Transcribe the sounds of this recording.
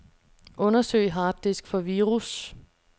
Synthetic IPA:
ʔɔ̽nɐsø̰ɪɦɑ̈ːd̥isɡ̥fɒ̽ʋiːʁus

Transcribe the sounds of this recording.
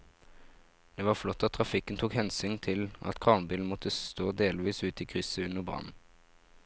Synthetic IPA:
d̪̥eːʋɑːʁflɔt̪ːɑt̪̚ʰʁɑfɪkənt̪ʰuːkhɛnsyːnt̪ʰɪlʔɑ̰t̪kʰʁɑːnbiːln̩mɔt̪ʰəst̪oːd̪eːlʋiːsʉːt̪iːkʰʁʏsəʉnəʁbʁɑ̰n̩

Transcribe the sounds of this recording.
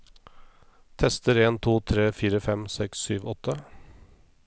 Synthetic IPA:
t̪ʰɛst̪əɾeːnt̪ʰuːt̪ʰɾeːfiːɾəfɛmsɛksːyːʋɔt̪ʰːə

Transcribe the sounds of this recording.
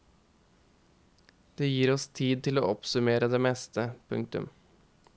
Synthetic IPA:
d̪̥eːjiːɾɔst̪ʰiːd̪̚t̪ʰɪloːʔɔpsʉmeːɾəd̪eːmɛst̪ʰəpʰʉ̰ŋkt̪ʉ̰m

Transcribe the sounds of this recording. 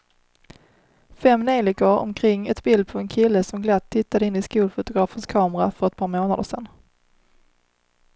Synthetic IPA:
fɛmːneːlɪkəɾɔ̰mkʰɾɪŋːɛt̪bɪld̪̚pʰɔɛnkʰɪlːəsɔmɡlat̪ʰːɪt̪ːad̪əɪnːɪskuːlfʊt̪ʊɡɾɑːfənskʰɑːmɾafœɾɛt̪̚pʰɑːɾmoːnad̪əʂɛnː

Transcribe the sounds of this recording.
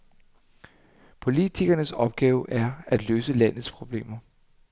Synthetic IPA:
pʰo̝lit͡sʰiɡ̥ɐnəsɒ̽b̥̚ɡ̥ɛːʊʔæɐæd̥løːsəlæn̰ð̩ˠspʰʁo̝b̥le̝̰ːmɐ

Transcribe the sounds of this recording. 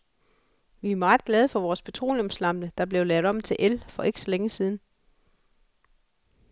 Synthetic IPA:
ʋiæmɑ̈ːð̩ˠɡ̥lɛːð̞ˠəfɒ̽ʋɒːspʰet͡sʰʁo̝̰ːlɔ̽mslɑ̈m̰d̥əd̥ɑ̈b̥le̝ʊlɛːʊðˠɒ̽mt͡sʰe̝lʔelfɒ̽ʔe̝ɡ̥sɒ̽leŋəsiːð̞ˠn̩

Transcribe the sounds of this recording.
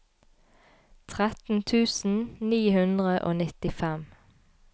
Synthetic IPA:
t̪ʰʁɛt̪n̩t̪ʰʉːsn̩niːhʉnd̪ʁəʔo̰ːnɪt̪ɪfɛm

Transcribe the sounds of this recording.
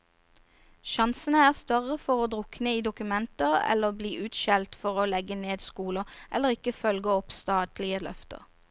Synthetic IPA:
ʃɑnsənəæːʁst̪œʁəfɔʁoːd̪ʁʊknəiːd̪ʊkʉmɛnt̪əʁɛ̰lːəʁbliːʔʉːt̪ʃɛlt̪fɔʁoːlɛɡəneːd̪skuːləʔɛ̰lːəʁɪkːəfœlɡəɔpst̪ɑːt̪lɪəlœ̰ft̪ə̰ʁ

